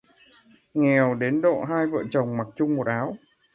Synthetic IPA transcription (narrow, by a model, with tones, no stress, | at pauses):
ŋɛ˨˩əwɗe˨˦nɗo̰˧˨ɦaː˧jvə̰ː˧˨t͡ɕə˨˩wŋ͡mma˨˩k̚t͡ɕʊ˧ŋ͡mmo˨˩t̚ʔaː˨˦w